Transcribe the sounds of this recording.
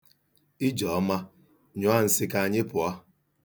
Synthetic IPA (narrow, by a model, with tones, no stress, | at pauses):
i˦d͡ʒɔ˨˦ma˦ | ɲʊ˦a˦˨n̩˨sɪ˦ka˦˨ɲɪ˦pʊ˨a˦